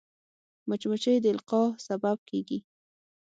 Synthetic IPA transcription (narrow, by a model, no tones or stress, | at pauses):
mʊt͡ʃmʊt͡ʃəjd̪əɪlqɑsabab̚kʰeɡi